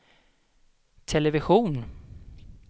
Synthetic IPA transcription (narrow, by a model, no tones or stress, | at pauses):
t̪ʰɛlɛvɪɧuːn